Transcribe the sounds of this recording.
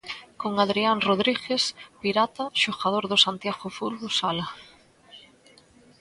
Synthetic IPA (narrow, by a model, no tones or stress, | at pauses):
koŋaðɾiaŋroðɾixespiɾat̪aʃoɣað̞oɾðosant̪jaɣofulɣosala